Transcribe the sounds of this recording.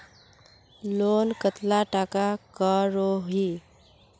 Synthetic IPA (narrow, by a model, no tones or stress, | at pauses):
lonkət̪laʈakakəɾoɦi